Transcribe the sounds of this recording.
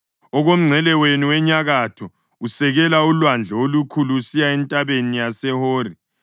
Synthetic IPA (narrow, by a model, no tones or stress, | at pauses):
ɔɣom̩ŋ͡ǀʱɛlɛweniwɛɲaɣatʰɔ | usɛɣɛlaulwand͡ɮʱɛolukʰuluːsijaɛntʼaβenijasɛhoːri